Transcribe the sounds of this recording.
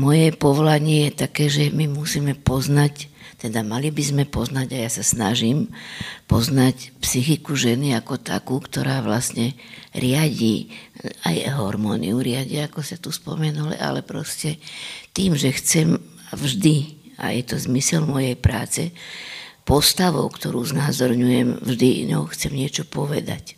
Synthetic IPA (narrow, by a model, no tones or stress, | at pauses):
mɔjɛpɔʋɔlaɲɪɛjɛt̪akɛːʒɛmimusiːmɛpɔznact̪ɛd̪amalibizmɛpɔznaɟajasasna̰ʒiːmpɔznacpsixikuʒɛniakɔt̪a̰kuːkt̪ɔɾaːʋlasɲɛɾɪaɟḭːa̰jɦɔɾmɔːnḭuɾɪaɟiaakɔsat̪uspɔ̰mɛnulḭʔa̰lɛpɾɔscɛt̪iːmʒɛxt͡sɛm | avʒd̪i | a̰jɛt̪ɔzmisɛlmɔjɛjpɾa̰ːt͡sɛ | pɔst̪aʋɔʊkt̪ɔɾuːznazɔɾɲujɛmvʒd̪iɲɔ̰ʊxt͡sɛmɲɪɛt͡ʃɔpɔʋɛ̰d̪a̰c